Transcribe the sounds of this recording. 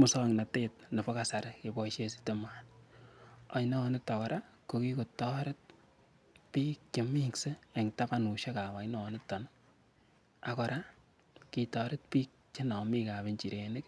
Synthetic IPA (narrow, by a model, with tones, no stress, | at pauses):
mʊ˨sɔ˦ŋna˨tet̚ne˨bɔ˦ka˨sa˨ɾke˨bɔ˦ʃe˦si̥teman | a˨jnɔ˦˨nɪ˦tːɔ˨kɔ˨ɾa˦ko˨ki˦ko˨tɔ˦ɾe˦t̚ | piː˦k̚t͡ʃe˨mi˦kse˦e˨ŋta˦pa˦nu˨ʃe˦ka˨wa˨inɔ˦ɔ˨nɪ˦tːɔ˨n | a˨kɔ˨ɾa˦ | ki˨tɔɾɪ˦t̚piː˦k̚t͡ʃe˦nɔ˨mi˦ka˨be˨ɲt͡ʃi˨ɾe˨nɪ˦k